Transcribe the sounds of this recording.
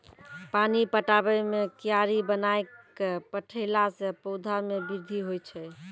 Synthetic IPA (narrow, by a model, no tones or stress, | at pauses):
panipəʈabɛmekijaɾibənaekpəʈʰəɪlasẽpəd̪ʱaɾmebiɾd̪ʱiɦojt͡ʃʰɛ